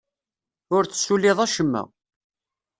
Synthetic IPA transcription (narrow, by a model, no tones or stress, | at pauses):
ʊɾt͡sə̥sːulɪðˤæʃəmːæ̰